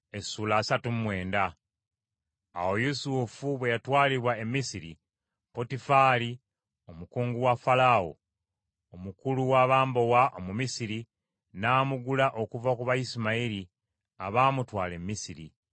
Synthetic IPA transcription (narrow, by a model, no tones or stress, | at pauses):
esuːlaːsatum̩mwe̞ːnda | wo̞jusufuβwe̞jatwaːliβwae̞mːisiɾḭ | po̞tifaːli | o̞mukuːŋɡuwafalaːwo̰ː | mukuluwaːβaːmbo̞waʔomumisiɾi | naːmuɡulaʔo̞kuvakuβaisimaiɾi | aβaːmutwaːle̞mːisiɾḭ